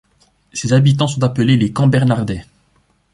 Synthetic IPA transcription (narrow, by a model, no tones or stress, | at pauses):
sezabit̪ɑ̃sɔ̃t̪apəlelekɑ̃bɛʁnaʁd̪ɛ